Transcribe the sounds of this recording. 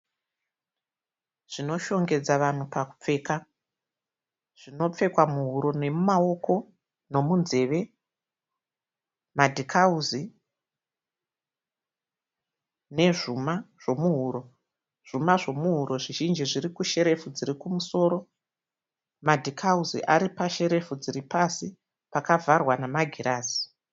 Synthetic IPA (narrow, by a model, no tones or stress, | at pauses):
ʐ̥ino̞ʃo̞ŋɡe̞d͡zaʋan̤upaku̥p͡fe̞ːka | ʐ̥ino̞p͡fe̞kwamuɦuɾo̞ne̞mumao̞ko̞ | no̞munze̞ʋe̞ | madʱikʰauzi | ne̞ʐumaʐ̥o̞muɦuːɾo̞ | ʐ̥umaʐo̞muɦuɾo̞ʐiʒind͡ʒiʐiɾikuʃe̞ɾe̞fud͡ziɾikumuso̞ːɾo̞ | madʱikʰauzḭʔaɾipaʃe̞ɾe̞fud͡ziɾipasi | pakavʱarwanamaɡʱiraːzi̥